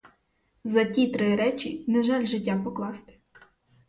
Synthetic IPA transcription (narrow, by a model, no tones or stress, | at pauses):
zɐtʲit̪ɾɪɾɛt͡ʃʲinɐʒɑlʲʒɪtʲːapɔklˠɑst̪ɪ̥